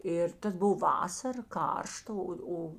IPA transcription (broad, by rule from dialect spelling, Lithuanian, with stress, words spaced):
ˈɪr ˈtɐs ˈboːw ˈʋɑːsɐr ˈkɐrʃtɐ ˈoː ˈoː